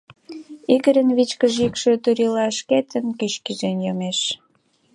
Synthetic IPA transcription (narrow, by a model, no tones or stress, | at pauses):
iɣəɾə̆nβit͡ɕkə̆ʒikʃø̆t̪yɾilɑʃket̪ə̆nkyʃkiʒenjomeʃ